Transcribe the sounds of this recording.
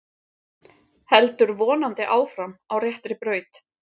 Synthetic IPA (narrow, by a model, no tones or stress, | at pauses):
hɛlt̪ʏɾvɔːnant̪ɪʔaːwfɾamawrjɛht̪ɾɪpɾœːɥt̪